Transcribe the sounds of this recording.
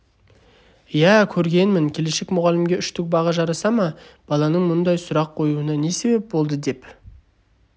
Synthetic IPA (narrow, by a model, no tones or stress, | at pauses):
jækʲʰɵɾɡʲe̞nmɪŋkʲʰe̞le̞ʃekmʊʁɑlɪmɡʲeʏʃt̪ɪk̚bɑʁɑʒɑɾɑsɑmɑb̥ɑlˠɑnəɴmʊnd̪ɑjsʊɾɑqʰːo̞juənɑne̞se̞be̞p̚bo̞lˠd̪əd̪e̞p